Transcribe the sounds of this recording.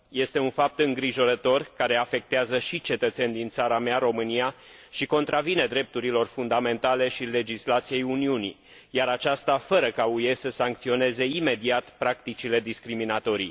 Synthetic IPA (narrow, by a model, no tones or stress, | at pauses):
je̞st̪e̞unfap̚t̪ɨŋɡɾiʒo̞ɾət̪o̞rkaɾe̞afe̞k̚t̪eazəʃit͡ʃe̞t̪ət̪se̞nʲd̪int̪saɾameaɾo̞mɨnija | ʃiko̞nt̪ɾavine̞d̪ɾe̞p̚t̪uɾilo̞rfund̪ame̞nt̪ale̞ʃile̞d͡ʒislat̪sije̞juniunḭ | jaɾat͡ʃast̪afəɾəkauje̞səsaŋk̚t̪sio̞ne̞ze̞ime̞d̪iat̪pɾakt̪it͡ʃile̞d̪iskɾiminat̪o̞ɾḭ